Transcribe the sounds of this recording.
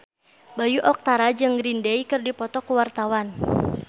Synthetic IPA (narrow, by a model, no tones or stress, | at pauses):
bajuʔɔk̚t̪aɾad͡ʒɨŋɾindɛikɨrdipɔt̪ɔkuwart̪awan